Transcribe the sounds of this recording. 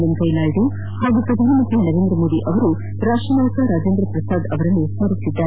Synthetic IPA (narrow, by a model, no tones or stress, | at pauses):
lɐnkɐjnaːɭɖu | haːɡupɾɐd̪ʱaːnɐmɐpinɐɾeːnd̪ɾɐmoːd̪iʔɐʋɐɾu | ɾaːʂʈɾɐnaːkɐɾaːd͡ʒeːnd̪ɾɐpɾɐsaːd̪ɐʋɐɾɐnːuʋsɐɾisid̪ːaːɾe